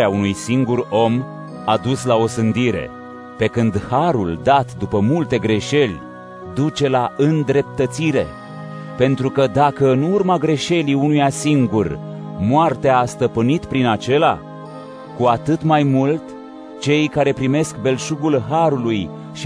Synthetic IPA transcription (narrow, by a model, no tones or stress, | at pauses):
aunujsiŋɡuro̞m | ad̪uslao̞sɨnd̪iɾe̞̰ | pe̞kɨnd̪haɾuld̪at̪d̪upəmult̪e̞ɡɾe̞ʃe̞lʲ | d̪ut͡ʃe̞laɨnd̪ɾe̞p̚t̪ət̪siɾe̞̰ | pe̞nt̪ɾukəd̪akəɨnurmaɡɾe̞ʃe̞liunujasiŋɡur | moart̪eaːst̪əpɨnit̪pɾinat͡ʃe̞la̰ | kuat̪ɨt̪majmult̪ | t͡ʃe̞jkaɾe̞pɾime̞skbe̞lʃuɡulɦaɾuluj | ʃ